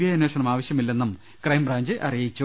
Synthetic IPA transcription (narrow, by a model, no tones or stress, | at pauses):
jɐɐnoːʂɐɳɐmaːʋɐɕjɐmilːe̞nːum | krɐjmbraːɲd͡ʑɨʔɐrijit͡ɕːu